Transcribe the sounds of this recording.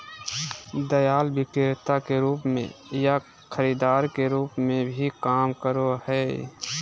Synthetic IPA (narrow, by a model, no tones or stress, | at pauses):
d̪əjaːlbɪkeɾt̪akeɾuːpmḛ̃ja | kʰəɾiːd̪aːɾkeɾuːpmẽbʱikaːmkəɾohɛː